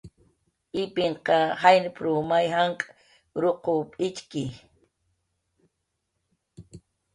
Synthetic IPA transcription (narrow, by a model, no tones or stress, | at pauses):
ɪpɪɴqɑhajnɪpɾumajɦaɴkʼ | ɾoqopʼɪt͡ʃkɪ